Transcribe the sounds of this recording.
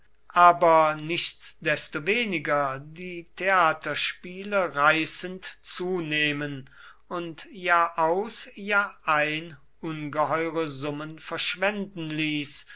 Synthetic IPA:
ʔaːbɐnɪʃtsd̥ɛstoveːnɪɡɐdiːtʰeaːtɐʃpiːləʁaɪsəntt͡suːneːmən | ʊntjaːʔaʊsjaːʔaɪn | ʔʊnɡəɦɔʏʁəzʊmənfɛɐʃv̥ɛndn̩liːs

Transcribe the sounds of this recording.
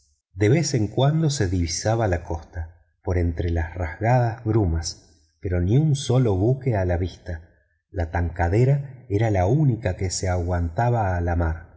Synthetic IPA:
d̪e̞βeseŋkwand̪o̞se̞ðiβisaβalako̞st̪a | po̞ɾe̞nt̪ɾelasrazɣað̞azβɾumas | peɾo̞niunso̞lo̞βuke̞alaβist̪a | lat̪aŋkaðe̞ɾaeɾalaunikakeseaɣwant̪aβaːlamaɾ

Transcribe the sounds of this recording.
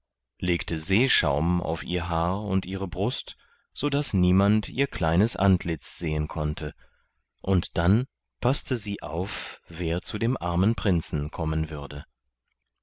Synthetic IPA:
leːktʰəzeːʃa̰ʊma̰ʊfʔiːɐɦaːɐʊntʔiːʁ̞əbʁʊst | z̥oːdasniːmantʰiːɐkʰl̥aɪnəsʔa̰ntʰlɪt͡sz̥eːənkʰɔntʰə | ʔʊntd̥an | pʰastəziːʔa̰ʊfv̥eːɐt͡sudeːmʔaɐmənpʁ̥ɪnt͡sn̩kʰɔmənvʏʁɐdə

